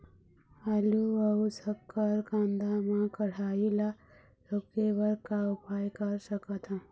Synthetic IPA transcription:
aluəusəkːəɾkãnd̪amãkəɽ̤aila | ɾokebəɾkaupajkəɾsəkət̪ʰə̃

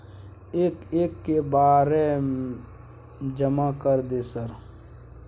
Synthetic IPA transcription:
eːkeːkːebaːɾe | d͡ʒəmakəɾd̪esəɾ

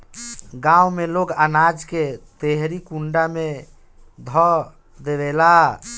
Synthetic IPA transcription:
ɡãwmeloɡanad͡ʒket̪eɦɾikuɳɖame | d̪ʱɔ | d̪eʋɛla

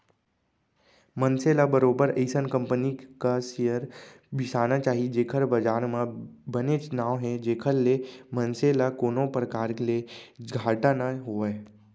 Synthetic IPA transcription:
mənseːlabəɾoːbəɾeːsənkə̃mpənikasijəɾ | bʱɪsaːnat͡ʃaːɦied͡ʒeːkʰəɾbəd͡ʒaːɾmãbənet͡ʃnaːʋɦɛ̃d͡ʒeːkʰəɾlemə̃nselakoːnõpɾəkaːɾkleɡʱaːʈanaɦoːɛ

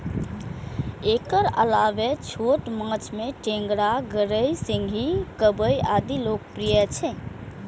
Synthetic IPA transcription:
ekəɾə̰laʋet͡ʃʰoʈmãt͡ʃmeʈẽŋɡɾaɡəɾəjsĩŋɡʱikəbəjad̪ilok̚pɾijət͡ʃʰɛ

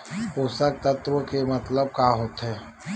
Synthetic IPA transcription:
poːsək̚t̪ət̪wəkemɐt̪ləb̚kaːɦoːt̪ɦɛː

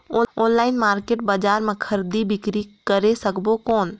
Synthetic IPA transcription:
ooːnlaɪnmaːɾkeːʈ̚bad͡ʒaɾmẽkʰəɾd̪ibikɾikəɾesəkbokoːn

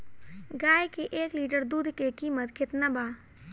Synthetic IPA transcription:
ɡaːjkeʔeːkliːʈəɾd̪uːd̪ʱkekiːmət̪kʰɪt̪nabaː

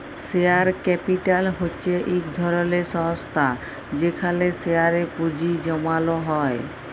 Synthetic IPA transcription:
seaɾkɛpiʈalɦoːɕʰeʔikd̪ʱɔɾoleʃɔŋst̪ʰa | d͡ʑekʰaleseaɾepud͡ʑid͡ʑɔmaloɦɔe

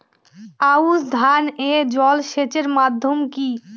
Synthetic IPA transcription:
ausd̪ʱaned͡ʑɔlʃet͡ɕeɾmad̪ʱːjomki

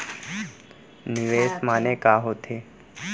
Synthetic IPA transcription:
niʋesmanekaːɦot̪ʰe

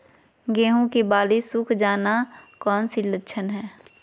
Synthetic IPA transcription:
ɡeːɦõkibaːlisʊkʰd͡ʒaːnakɔːnsilətːʃʰənɦɛː

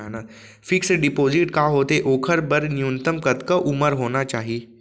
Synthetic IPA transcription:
ana | fɪksəɖɪpoːzɪʈkaːɦoːt̪eʔoːkʰəɾbəɾnijunt̪əmkət̪kəʔuməɾɦoːnat͡ʃaːɦie

